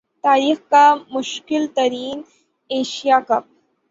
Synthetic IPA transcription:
t̪aːɾiːxkamʊʃkɪlt̪ɐɾiːn | eːʃijakɐp̚

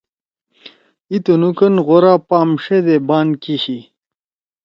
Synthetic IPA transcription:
it̪unukɐnʁoɾaːpaːmʂed̪ebaːnkiɕi

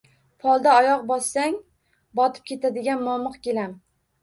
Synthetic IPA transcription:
pʰɒlˠd̪aɒjɒqbɒsːaŋ | bɒt̪ʰɪ̥p̚kʲʰe̞t̪ʰad̪ɪɡʲanmɒmɨqkʲelam

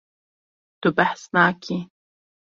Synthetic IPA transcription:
t̪ʊbaħsnaːkʰi

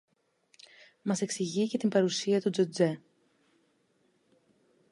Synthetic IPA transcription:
mɐse̞ksiʝice̞t̪imbɐɾusiɐt̪ud͡zod͡ze̞

